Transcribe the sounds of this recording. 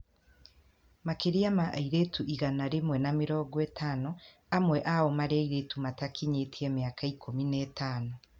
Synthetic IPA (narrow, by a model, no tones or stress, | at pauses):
makeɾiamaʔiɾetuʔiɣanaɾemwɛnamiɾɔːɡwɛtaːno | amwɛʔawɔmaɾeaiɾetumatakʰiɲetʰiemiakʰaikʰominɛtaːno